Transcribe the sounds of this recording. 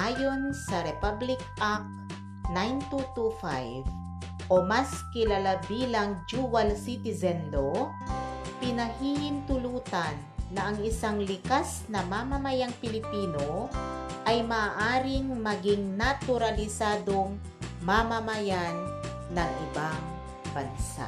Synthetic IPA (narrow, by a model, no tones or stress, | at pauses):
ʔaːjonsɐɾɛpablɪk̚ak̚ | najnt̪ut̪ufa̰jv | ʔomaskɪlalabiːlaŋd͡ʒuwalsit̪ɪzɛnlo | pɪnɐhiːhɪnt̪ʊluːt̪anːɐɐŋɪsaŋlɪkasnɐmamɐmɐjaŋpɪlɪpiːnoʔɐjmaːʔaːɾɪŋmɐɡɪŋnat̪ʊɾalɪsaːd̪o̞ŋ | mamɐmɐjanː | ɐŋʔɪbaŋ | bɐnsa̰ʔ